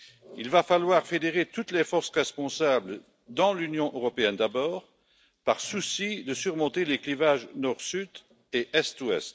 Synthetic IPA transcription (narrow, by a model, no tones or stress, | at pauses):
ilvafalwaʁfed̪eʁet̪ut̪lefɔʁsʁɛspɔ̃sabl | d̪ɑ̃lynjɔ̃ʔøʁɔpeɛnd̪abɔːʁ | paʁsusid̪əsyʁmɔ̃t̪eleklivaʒnɔʁsyd̪ | eʔɛst̪wɛ̰st̪